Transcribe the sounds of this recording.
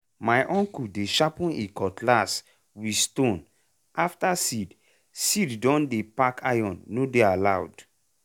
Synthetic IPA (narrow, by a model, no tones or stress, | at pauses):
majʔɔ̃ŋkudeʃapũnikɔtʰlas | wistõn | aftasid | siddɔ̃ndepakʰajɔ̃nːodealawd